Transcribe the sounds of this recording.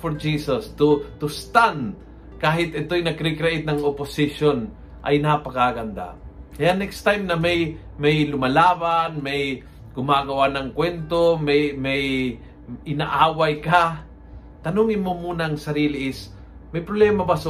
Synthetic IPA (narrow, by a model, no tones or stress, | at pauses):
fɔɹd͡ʒiːsost̪ʊt̪ʊst̪and̪ | kaːɦɪt̪ɪt̪ojnɐkɾikɾaʔɪt̪̚nɐŋopʊsɪʃon | ʔɐ̰jnapɐkaɡɐnd̪a̰kɐjanɛkst̪ajmnɐmaj | majlʊmɐlaːbanmaj | ɡʊmaːɡɐwanɐŋkwɛnt̪omɛjmaj | ʔɪnaʔaːwajka | t̪ɐnuŋɪnmomuːnaŋsɐɾiːlɪʔɪs | mɐjpɾoblɛːmabas